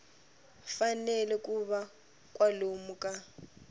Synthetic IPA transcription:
fanɛlɛkʼuβa | kʼwalomukʼa

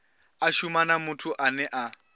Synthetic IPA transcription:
aʃumanamutʰuʔanɛʔa

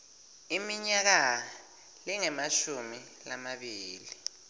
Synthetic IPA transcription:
imiɲak̬a | liŋɛmaʃumi | lamaɓiːli

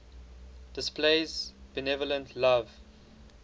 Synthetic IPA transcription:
d̥ɪspleɪzbɛnɛvɔlə̃ntʰlav

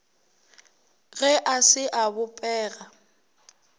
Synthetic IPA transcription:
ɣɛʔasɪʔabʊpʼɛːɣa

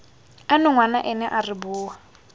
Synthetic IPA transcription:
anʊŋwanaʔɛnɛʔaribuːɦa

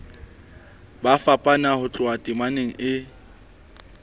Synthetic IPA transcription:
bafapʼanahʊt͡ɬʼʊatʼimaneŋ̩ɪ

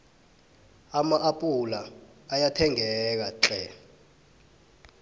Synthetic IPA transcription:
amaʔapʼulaː | jatʰɛŋɛk̬aǁɛ

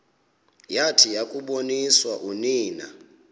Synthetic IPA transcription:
jatʰijakʼuɓoniswaʔuniːna̰

